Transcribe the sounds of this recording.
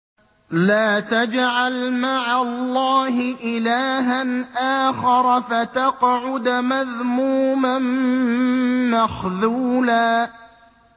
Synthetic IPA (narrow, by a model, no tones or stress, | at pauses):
laːt̪ad͡ʒʕalmaʕalˤːɑːɦɪʔɪlaːɦanʔaːxɑɾˤɑfat̪ɑqʕʊd̪maðmuːman | maxðuːlaː